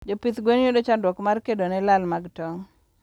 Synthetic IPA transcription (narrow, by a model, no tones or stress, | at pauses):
d͡ʒopit̪ɡwenjodot͡ʃandwɔkmarkedonɛlalmaɡtɔŋ